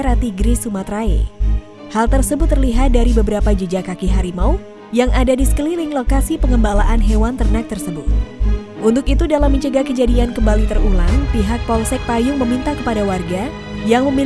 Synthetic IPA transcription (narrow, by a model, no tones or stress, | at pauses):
ɾat̪iɡɾisumat̪ɾaḛ | halt̪ərsəbʊt̪ːərliɦat̪̚daɾibəbəɾapad͡ʒəd͡ʒakakiɦaɾimau | jaŋʔadadisə̥kəlilɪŋlokasipəŋəmbalaʔanɦewant̪ərnak̚t̪ərsəbʊt̪̚ | ʔunt̪ʊkit̪udalamːəɲt͡ʃəɡakəd͡ʒadiankəmbalit̪ərula̰ŋpiɦak̚pɔlsɛk̚pajʊŋməmint̪akəpadawarɡa | jaŋməmi